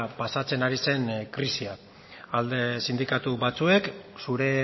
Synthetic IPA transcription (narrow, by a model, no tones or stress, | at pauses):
pasat͡se̞naɾise̞nkɾisia | ald̪esind̪ikat̪uβat͡sue̞ksuɾe̞